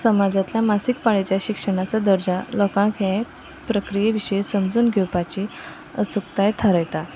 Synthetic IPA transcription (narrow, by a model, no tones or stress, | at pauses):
səmad͡ʑat̪ljamasik̚paɭet͡ɕjaɕikʂəɽ̃at͡sad̪əɾd͡ʑalɔkãkja | pɾəkɾijeʋiɕesəmd͡zuːnɡʱewpat͡ɕi | əsukt̪ajt̪ʰəɾəjt̪a